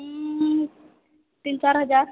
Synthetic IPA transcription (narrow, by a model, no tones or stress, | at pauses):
t̪iːnt͡ɕaɾɦəd͡zaɾ